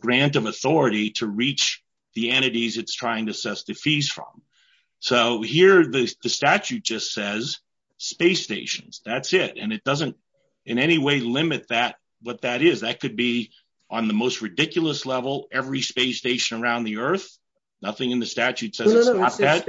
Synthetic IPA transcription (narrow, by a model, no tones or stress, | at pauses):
ɡ̥ɹæ̃ntʌvəθɔɹɨɾiɾɨɹit͡ʃ | ðiɛ̃ɾ̃ɨɾizɨtstʰɹ̥aɪɪ̃ŋtɨsɛsðɨfiz̥fɹʌ̰̃m | soʊhiɹðɨðɨstæt͡ʃʉt̚d̥ʒ̥ʌstsɛz̥ | speɪsteɪʃɨ̃n̩z̥ðætsɪɾɨ̰̃nɨt̚d̥ʌzɨ̃nt̚ | ʔɨ̃nɛñiweɪlɪ̃mɨt̪̚ðɨt̚ | wʌt̪̚ðɨɾɪzðɨt̚kʰɨd̚bi | ʔə̃nðəmoʊst̚ɹɨdɪkjl̩ˠəslɛvl̩ˠɛvɹispeɪsteɪʃɨ̃nə˞ãʊ̃nðiɜ˞θ | nʌθɪ̃ŋɨ̃nðɨstæt͡ʃʉtsɛzsnɑt̪̚ðæt̚